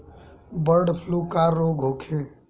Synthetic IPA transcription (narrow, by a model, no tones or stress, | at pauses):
bəɾɖpʰlukaɾoːɡɦoːkʰe